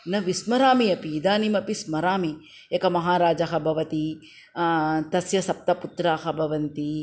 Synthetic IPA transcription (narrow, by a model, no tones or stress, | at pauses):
nɐʋismɐɾaːmijɐpiːd̪aːnimɐpismɐɾaːmi | ekɐmɐɦaːɾaːd͡ʒɐɦɐbʱɐʋɐt̪i | t̪ɐsjɐsɐp̚t̪ɐput̪ɾaːɦɐbʱɐʋɐnt̪i